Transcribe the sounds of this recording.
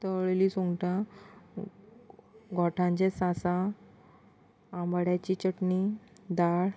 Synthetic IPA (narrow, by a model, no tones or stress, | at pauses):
t̪əɭeliːsuŋɡʈã | ɡʱɔʈʰãɲt͡ɕesãsã | mbəɽjat͡ɕit͡ɕəʈni | d̪aɽ